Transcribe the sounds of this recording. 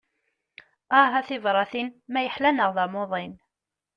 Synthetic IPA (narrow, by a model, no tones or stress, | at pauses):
æɦæθɪvɾˤɑθinmæjəħlænəʁðɑmoðˤɪn